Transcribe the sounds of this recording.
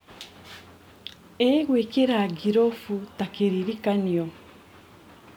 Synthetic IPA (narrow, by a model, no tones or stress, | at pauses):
eɣwekeɾaɡiɾofutakeɾiɾikaniɔ